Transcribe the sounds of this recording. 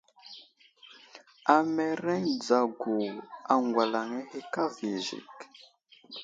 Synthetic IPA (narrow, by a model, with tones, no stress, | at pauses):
a˨mɛ˨ɾɛ˦ɲd͡za˨ɡu˨a˨ŋɡwa˨la˨ŋɛ˦he˦ka˦vi˨ʒḭ˨k